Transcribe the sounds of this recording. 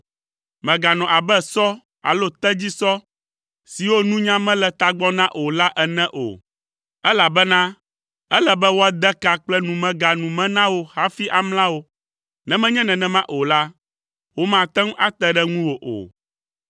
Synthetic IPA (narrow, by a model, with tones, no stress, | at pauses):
mɛ̃˨ɡa˨nɔ̃˨ʔa˨bɛ˦sɔ˦ | a̰˨lo˦t̪ɛ˦d͡ʑi˦sɔ˦ | si˨wo˦nũ˦ɲã˦mɛ̃˦lɛ˨t̪a˦ɡ͡bɔ˦nã˦ʔo˨la˦ʔɛ˨nɛ̃˦ʔo̰˨ | ɛ˦la˨bɛ˦nã˦ | ɛ˦lɛ˨bɛ˦wo˦a˦d̪ɛ˦ka˨k͡plɛ˦nũ˨mɛ̃˦ɡa˨nũ˨mɛ̃˦nã˦wo˦ha˦fi˦ʔa˨ml̃ã˦wo˦ | nɛ̃˨˦mɛ̃˦ɲɛ̃˦nɛ̃˨nɛ̃˦mã˦ʔo˨la˦ | wo˦mã˨t̪ɛ˦ŋ˦a˦t̪ɛ˦ɖɛ˦ŋũ˦wo˨ʔo̰˨